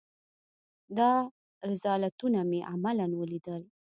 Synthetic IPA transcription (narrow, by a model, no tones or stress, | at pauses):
d̪ɑ | ɾɪsɑlat̪unameʔamalanwəlid̪əl